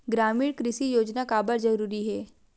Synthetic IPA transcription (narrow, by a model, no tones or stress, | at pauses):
ɡɾaːmiːɽkɾɪʃijoːd͡ʒnakaːbəɾzɐɾuːɾiɦɛː